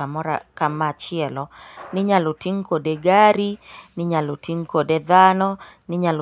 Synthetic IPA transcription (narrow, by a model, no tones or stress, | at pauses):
amɔɾa̰kamat͡ʃɪɛlɔnɪɲalotiŋkodeɡaɾinɪɲalotiŋkodeðanɔ | nɪɲal